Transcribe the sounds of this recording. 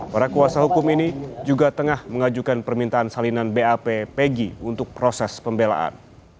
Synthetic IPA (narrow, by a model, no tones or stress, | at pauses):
paɾakuasahukʊminid͡ʒuɡat̪əŋahməŋad͡ʒukanpərmint̪aːnsalinanbeapepeɡiunt̪ʊk̚pɾosɛspəmbela̰ʔa̰n